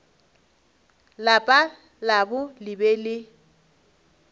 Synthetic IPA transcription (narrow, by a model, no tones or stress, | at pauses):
lapʼa | labʊlɪbɛlɪ